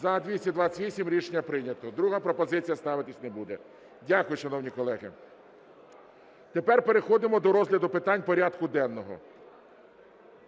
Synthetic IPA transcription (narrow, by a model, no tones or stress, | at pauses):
zɐd̪ʲʋʲisʲtʲid̪ʋɑt͡sʲʋʲisʲimɾʲiʃnʲɐpɾɪnʲɐt̪ɔd̪ɾuɦɐpɾɔpɔzɪt͡sʲijɐst̪ɑʋɪt̪ɪsʲnebud̪ɛ | dʲakʊjʊʃɐnɔwnʲikɔlˠɛɦɪ̰ | t̪epɛrpe̞ɾexɔd̪ɪmɔd̪ɔɾɔzɦlʲɐd̪ʊpɪt̪ɑnʲpɔɾʲɑd̪kʊd̪ɛnːɔɦɔ̰